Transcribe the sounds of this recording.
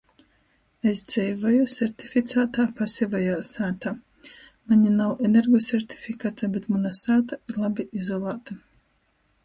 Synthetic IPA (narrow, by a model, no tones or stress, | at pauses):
esd̪z̥ʲɛjvajusʲeɾt̪ʲifʲit̪saːt̪aːpasʲivajaːsaːt̪aː | maɲʲinawʔenʲeɾɡɔsʲeɾt̪ʲi̥fʲikat̪ʰabet̪manasaːt̪aiɾlˠabʲiʔizɔlˠaːt̪a